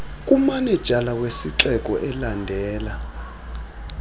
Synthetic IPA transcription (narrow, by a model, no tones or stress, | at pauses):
kʼumanɛd̥ʒ̥ʱalawesiǁɛkʼɔʔɛlandʱɛːla